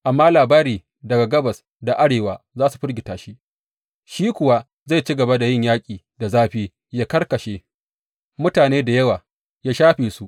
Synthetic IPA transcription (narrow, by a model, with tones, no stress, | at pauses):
ʔa˨mːaː˦laː˨baː˦ɾiː˨ | dɐ˨ɡa˨ɡɐ˦bɐ˨s | da˨ʔa˦ɽeː˨waː˨zaː˦su˨ɸɪ˦ɾɡʲɪ˨taː˨ʃi˦ | ʃiː˦kʷʊ˨wa˦ | za˦˨t͡ʃi˦ɡɐ˨ba˦da˨jɪ˦ɲjaː˦kʲʼiː˨ | da˨zaː˦ɸiː˦ | jaː˦kɐ˦rkɐ˨ʃeː˦ | mʊ˦taː˨neː˦da˨jɐ˦waː˨ | jaː˦ʃaː˦ɸeː˨su˦ʔ